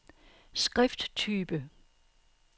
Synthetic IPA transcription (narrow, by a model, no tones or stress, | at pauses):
sɡ̥ʁɛfd̥t͡sʰyːb̥ə